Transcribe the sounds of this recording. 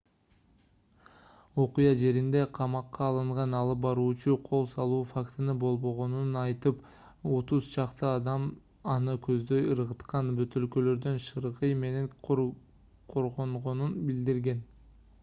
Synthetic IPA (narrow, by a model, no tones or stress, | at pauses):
o̞qujɑd͡ʒe̞ɾind̪e̞qʰɑmɑqːɑːlˠɯɴʁɑnɑlˠɯp̚bɑɾuːt͡ʃuqʰo̞lˠsɑlˠuːfakt̪ɯnɯbo̞lˠbo̞ʁo̞nunɑjt̪ɯp | o̞t̪uzt͡ʃʰɑqt̪ɯɑd̪ɑm | ɑnɯkʰøzd̪ø̞jɯɾʁɯt̪qɑnbøt̪ø̞lkø̞lø̞ɾd̪ø̞nʃɯɾʁɯjme̞ne̞ŋ | qʰoɾʁoɴʁo̞nunbild̪iɾɡe̞n